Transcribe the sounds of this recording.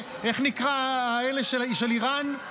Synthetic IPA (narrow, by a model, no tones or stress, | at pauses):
eχnikʁaaeleʃelʃeliʁan